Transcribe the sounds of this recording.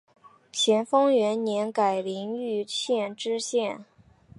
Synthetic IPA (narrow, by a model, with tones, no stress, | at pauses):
t͡ɕʰjɛ˧˥nfɤ˥ŋɥɛ˧˥nnjɛ˧˥nka˨˩ɪli˧˥ŋy˥˧ɕjɛ˥˩nʈ͡ʂɻ̩˥ɕjɛ˥˩n